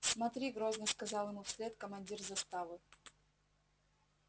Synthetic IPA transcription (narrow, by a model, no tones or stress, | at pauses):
smɐt̪ɾʲiɡɾoznəskɐzɑlˠjɪmufsʲlʲet̪kəmɐnʲdʲirzɐst̪avɨ